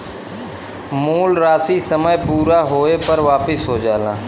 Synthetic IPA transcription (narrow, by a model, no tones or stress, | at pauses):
muːlɾaːsisəməjpuːɾaːɦoːepəɾʋaːpɪsɦoːd͡ʒaːlãː